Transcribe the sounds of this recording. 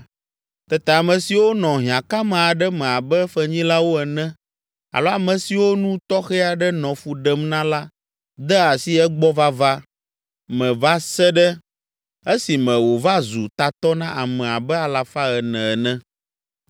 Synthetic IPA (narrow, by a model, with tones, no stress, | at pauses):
t̪ɛ˦t̪ɛ˨a˨mɛ̃˨si˨wo˦nɔ̃˨ɦĩ˨ã˨ka˦mɛ̃˨a˨ɖɛ˦mɛ̃˨a˨bɛ˦fɛ˦ɲĩ˦la˦wo˦ɛ˨nɛ̃˦ | a̰˨lo˦a˨mɛ̃˨si˨wo˦nũ˦t̪ɔ˦xɛ˦a˨ɖɛ˦nɔ̃˨fu˨ɖɛ˦mnã˦la˦ | d̪ɛ˦a˨si˦ɛ˦ɡ͡bɔ˦va˦va˦ | mɛ̃˨va˦sɛ˦ɖɛ˦ | e˦si˨mɛ̃˨wo˨va˦zu˨t̪a˨t̪ɔ˦nã˦ʔa˨mɛ̃˨a˨bɛ˦a˨la˨fa˦ɣɛ˨nɛ̃˨ɛ˨nɛ̃˦